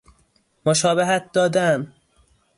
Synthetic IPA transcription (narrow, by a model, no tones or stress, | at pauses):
moʃɒːbeɦæt̪̚d̪ɒːd̪æm